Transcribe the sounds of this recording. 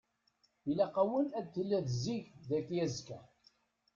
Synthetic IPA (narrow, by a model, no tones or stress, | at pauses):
ilæqɑwənæd̪θəlːæðziʝðækjæzkæ